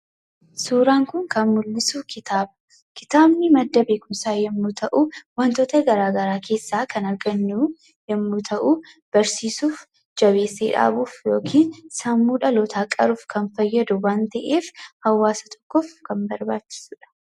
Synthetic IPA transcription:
suːɾaːŋkʊŋkɐnmʊlːɪsuːkʰɪt̪ʰaːbʊ | kɪ̥t̪aːbnɪmɐd̪ːɐbe̞ːkʊmsaːjɛmːut̪ʰɐʔuwɐnt̪oːt̪ɐɡɐɾaːɡɐɾaːkʰe̞ːsːaːkʰɐnɐɾɡɐnːuː | jɛmːut̪ʰɐʔu | b̥ɐɾsiːsuːf | d͡ʒɐβeːsːḛːᶑa̰ːbuːfjo̞̰ːkʰiːnsɐmːuːᶑɐloːt̪ʰaːkʼɐ̰ɾuːfkʰɐnfɐjːɐd̪ʊwaːnt̪ɐʔeːfhɐwːaːsɐt̪ʰɔ̥kːɔfkɐnbɐɾbaːt͡ʃːɪ̥suːᶑɐ̥

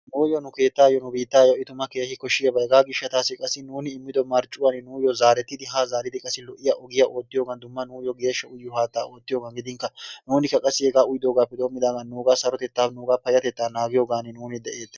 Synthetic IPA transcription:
nuːjɔnʊke̞ːt̪ːaːjɔnʊbiːt̪ːaːjɔʔɪt̪ʊmɐkeːhɪkɔʃɪjɐbɐjɡaːɡɪʃːɐt̪aːsɪkʼɐsːɪnuːnɪɪmːɪd̪ɔmɐɾt͡ʃʼʊwanɪnuːjɔzaːɾɛt̪ːɪd̪ɪɦaːzaːɾɪd̪ɪkʼɐsːɪlɔʔːɪjɐʔɔɡɪjaʔo̞ːt̪ːɪjo̞ːɡɐnd̪ʊmːɐnuːjɔɡe̞ːʃːɐʊjːɔhaːt̪ːaːʔoːt̪ːɪjoːɡɐnɡɪd̪ɪŋkːɐnuːnɪkːɐkʼɐsːɪhɛɡaːʊjd̪o̞ːɡaːpːɛd̪oːmːɪd̪aːɡɐnːuːɡaːsɐɾɔt̪ɛt̪ːaːnuːɡaːpɐjɐt̪ɛt̪ːaːnaːɡɪjoːɡaːnɪnuːnɪd̪ɛʔe̞ːt̪ːɛ

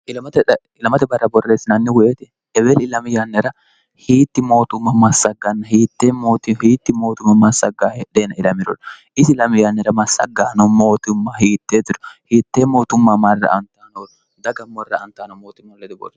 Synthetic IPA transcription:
ʔɪlɐmɐt̪ɛ | ɪlɐmɐt̪ɛbɐrːɐbɔrːe̞ːsɪnɐnːɪwʊjeːt̪ɛ | ɛbɛlɪlɐmɪjɐnːɛɾɐ | hiːt̪ːɪmo̞ːt̪ʊmːɐmɐsːɐɡːɐnːɐhiːt̪ːemoːt̪ɪhiːt̪ːɪmo̞ːt̪ʊmːɐmɐsːɐɡaːhɛᶑeːnɐɪlɐmɪɾɔ̰nʔɪsɪlɐmɪjanːɛɾɐmɐsɐ̰ɡaːnɔmoːt̪ʊmːɐhiːt̪ːeːt̪ːɪɾɔ̥hiːt̪ːeːmo̞ːt̪ʊmːɐmɐrːɐ̰ʔɐnt̪ːaːnoːn | d̪ɐɡɐmːɔrːɐɐnt̪ːaːnɔmoːt̪ʊmːɐlːɛd̪ʊbɔ̰l

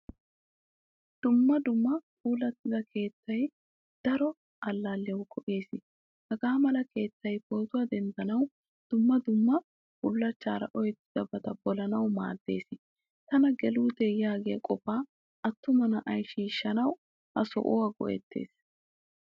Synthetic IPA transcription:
d̪̥ʊmːɐd̪ʊmːɐkuːlɐt̪ːɪzɐkʰe̞ːt̪ːɐj | d̪̥ɐɾɔ | ʔɐlːaːlːɛwʊkʰɔʔe̞ːsɪ | hɐɡaːmɐlɐke̞ːt̪ːɐjboːt̪ʊwɐd̪ɛnd̪ɐnɐw | d̪̥ʊmːɐd̪ʊmːɐ | bʊlːɐt͡ʃːaːɾɐ̰ʔɔjt̪ːɪd̪̥ɐbɐt̪ɐbɔlɐnɐwma̰ːd̪ːe̞ːsɪ | t̪ɐnɐɡɛluːt̪ɛjaːɡɛjɐkʼɔfaː | ʔɐt̪ːʊmɐnɐʔɐjʃiːʃːɐnɐw | hɐsɔ̰ʔɔwɐɡɔ̰ʔɛ̰t̪ːe̞̰ːs

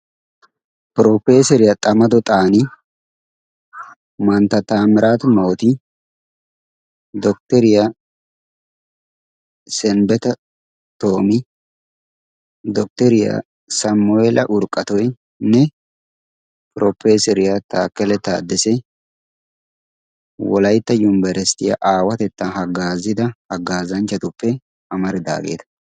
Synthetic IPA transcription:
pɾoːfeːsɛɾɪjɐt̪ʼɐmɐd̪ɔt̪ʼaːnɪ | mɐnt̪ɐt̪aːmɪɾaːt̪ʊmoːt̪ɪ | d̪ɔk̚t̪ɛɾɪjɐ | sɛnbɛt̪ɐ | t̪o̞ːmɪ | d̪ɔk̚t̪ɛɾɪja̰ | sɐmːʊeːlɐʔʊɾkʼːɐt̪ɔj | nɛ | pɾɔpːeːsɛɾɪjat̪aːkːɛlɛt̪a̰ːd̪ːɛsɛ | wɔlɐjt̪ːɐjʊmbɛɾɛst̪ːɪjɐ̰ʔaːwɐt̪ɛt̪ːɐɦɐɡaːzɪd̪ɐhɐɡaːzɐnt͡ʃːɐt̪ʊpːɛ | ɐmɐɾɪd̪a̰ːɡḛːt̪ɐ̥

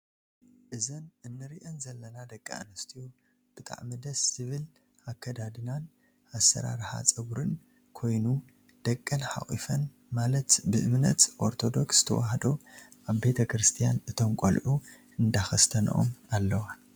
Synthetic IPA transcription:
ʔɨzɐnɨnːɨɾiʔɐnzɐlːɐnad̪ɐkʼːa̰a̰nɐst̪ʰiju | b̥ɨt̪ʼa̰ʕmɨd̪ɐsːɨβɨl | ʔakʰːɐd̪ad̪ɨnan | ʔasːɐ̰ɾa̰ɾħa̰t͡sʼɐɡɾɨn | kʰo̞jnu | d̪̥ɐkʼːɐnħa̰χʼḭfɐn | malɐt̪bɨʔɨmnɐt̪ʔo̞ɾt̪ʰo̞d̪o̞ksz̥ɨ̥t̪ʰɐ̰waɦd̪oʔaβbe̞t̪ʰɐkɾɨst̪ʰijanɨt̪ʰo̞mkʷʼolʔu | ɨnd̪axɐst̪ʰɐnɐ̰ʔo̰malːɐwa

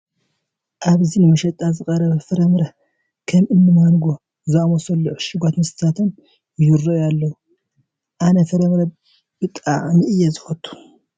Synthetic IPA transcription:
ʔaβzinɨmɐʃɐt̪ʼazɨkʼɐɾɐβɐfɨɾɐmɾɐ | kʰɐmʔɨnːɨmanɡo | zɨamosɐlːoʃɪɡat̪nɨst̪ʰat̪ʰɨn | juɾːojalːɐwu | ʔanɐfɐɾɐmɾɐ | b̥ɨt̪ʼaʔʼnɨʔɨjːɛzɨxɐt̪ʼʰːu̥

